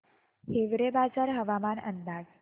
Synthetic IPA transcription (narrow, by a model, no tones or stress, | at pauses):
heʋɾebad͡zaɾɦəʋamanə̰nd̪ad͡z